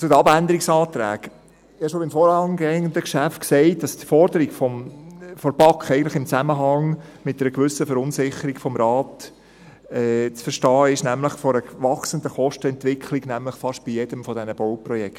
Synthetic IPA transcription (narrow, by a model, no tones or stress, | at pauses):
t͡sʊdəɑbændəɾiksɑːt̪ɾæ̰ːɡ | ɪɑʃobɪmfɔːɾhɑŋɡɛŋənd̪əkʃæftksɛɪtd̥ɑsd̥fɔɾd̪əɾiɡ̥fɔmfɔɾb̥ɑkχɛɪɡən̩tləχɪmt͡sæməɦɑŋ | mɪt̚ːəɾəkʋʏsəfəɾʊnsɪχəɾiɡfɔmɾɑːt | ɛt͡sfəɾʃtɑːɪʃnæmləχfɔɾəʋɑχsənd̪əχɔʃtəɛntʋɪkʰliɡnæmləχfɑʃb̥ijɛd̥əmfɔdɛnəb̥ɔʊpɾɔjɛkt